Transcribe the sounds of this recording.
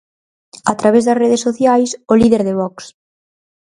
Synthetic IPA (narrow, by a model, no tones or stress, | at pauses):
at̪ɾaβ̞ezðɐsreðesːoθjajsoliðeɾðeβɔks